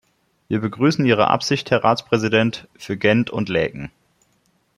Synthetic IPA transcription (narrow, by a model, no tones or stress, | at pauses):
viːɐbəɡʁyːsn̩iːʁ̞ə̰ʔa̰pz̥ɪçthɛɐʁa̰ːt͡spʁ̥ɛzidɛntfyːɐɡɛntʰʊ̰ntlɛ̰ːɡŋ̩